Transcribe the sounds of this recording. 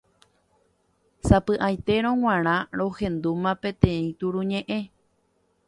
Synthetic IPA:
sapɨʔajt̪e̞ɾ̃õŋ̃ãɾ̃ãɾo̞hẽ̞nd̪umãpẽ̞t̪ẽ̞ĩt̪uɾuɲẽʔẽ̞

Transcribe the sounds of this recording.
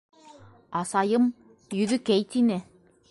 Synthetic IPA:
ɑsɑjɤm | jɵ̆ðɵkæjt̪inɘ

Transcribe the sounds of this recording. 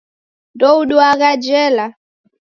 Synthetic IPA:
ndɔuɗuaɣad͡ʒɛla

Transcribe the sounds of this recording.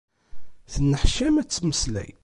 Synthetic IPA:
θənːəħʃæmæt͡sːməslæ̰j

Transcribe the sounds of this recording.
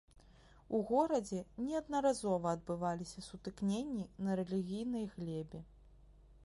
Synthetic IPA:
uɣɔɾɐd͡zʲɛnʲɛɐd̪nɐɾazɔvɐːd̪̚bɨvalʲisʲɐsut̪ɨknʲenʲːinɐɾɛlʲiɣʲijnɐjɣlʲɛbʲɛ

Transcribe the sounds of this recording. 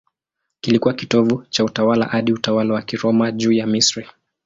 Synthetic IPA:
kilikuwakitɔvut͡ʃautawala̰haɗiutawalawakiɾɔmaʄuːjamisɾi

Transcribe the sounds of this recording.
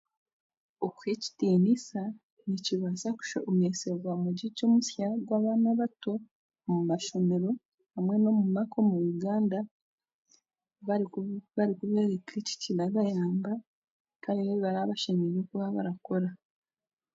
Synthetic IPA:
okweci̥tiːnisa | niciβasaku̥ʃomeseβwamuɟico̞ːmusjaɡwaːβaːnaβato | mumaʃo̞me̞ɾo̞ | amwenomumako̞mujuɡaːnda | βaβaɾikuβeːɾekʰeci̥cilaɡajaːmba | kaɾeneβaɾaβaʃemiɾokuβaβa̰ɾako̞ɾa

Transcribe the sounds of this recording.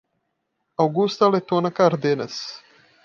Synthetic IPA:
awɡust̪alet̪onakaɾd̪enes

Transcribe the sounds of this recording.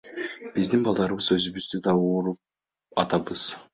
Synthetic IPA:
b̥izd̪inbɑlˠd̪ɑɾɯβɯzø̞zyβyzd̪yd̪ɑuːɾup̚ | ɑt̪ɑbɯz̥

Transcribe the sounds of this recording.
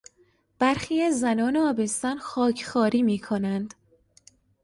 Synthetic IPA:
b̥æɾxiːæzːænɒːneɒːbe̞st̪ɒnxɒːcʰxɒːɾiːmiːkʰo̞nænd̪̥

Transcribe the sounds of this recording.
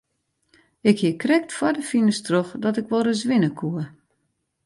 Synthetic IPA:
ɪkhiəkrɛk̚tfɔdəfinəstroxdɔtɪkʋɔlˠrəzʋɪnəkʰuə

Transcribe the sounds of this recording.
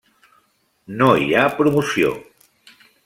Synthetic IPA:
noḭapɾumusio̰

